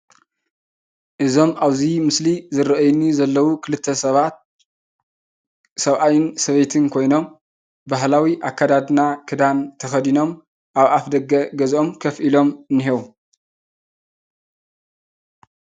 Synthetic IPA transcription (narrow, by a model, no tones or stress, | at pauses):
ʔɨzo̞maβzimɨslizɨɾɐʔɐjnizɐlːɐwukʰɨlɨt̪ʰːɐsɐβat̪̚ | sɐβʔajɪnsɐβejt̪ʰɨnkʰo̞jno̞m | baɦlawiʔakːad̪ad̪nakʰɨd̪ant̪ʰɐxɐd̪ino̞m | ʔaβʔafd̪ɐɡɐɡɐzʔo̞mkʰɐfʔilo̞mɨnːiɦewu